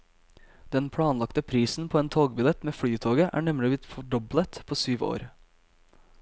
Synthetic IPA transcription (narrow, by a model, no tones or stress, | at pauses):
d̪̥ɛnpʰɽɑːnlɑkt̪əpʰɾiːsn̩pʰoːeːnt̪ʰoːɡbɪlɛt̪meːfɽyːt̪ʰoːɡəʔæ̰ːɳɛmlɪbɪt̪fɔɖɔblət̪pʰoːsyːʋo̰ːɾ